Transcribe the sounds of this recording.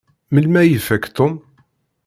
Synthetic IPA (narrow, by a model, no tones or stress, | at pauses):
məlmæjəfækt̪om